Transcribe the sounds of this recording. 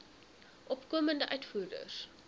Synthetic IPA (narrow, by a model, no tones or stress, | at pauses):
ʔɔpkoːməndəʔœɥtfuːdə̰s